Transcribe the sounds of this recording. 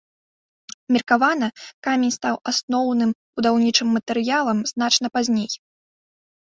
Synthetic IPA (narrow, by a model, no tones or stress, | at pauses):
mʲirkavan̪ɐkamʲenʲst̪awasnɔwnɨmb̥ud̪awnʲit͡ʂɨmːɐt̪ɨɾɨjalˠɐmznat͡ʂnɐpazʲnʲej